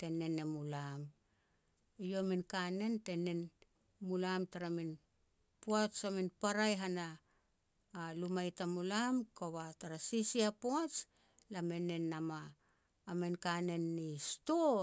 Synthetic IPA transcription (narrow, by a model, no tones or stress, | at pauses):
te̞ne̞ne̞mulam | ijo̞minkane̞nte̞ne̞n | mulamtaɾamin | poat͡ʃaminpaɾajɦanaː | lumajtamulamkaβataɾasisiapoat͡ʃ | lame̞ne̞namaː | menkane̞nːisto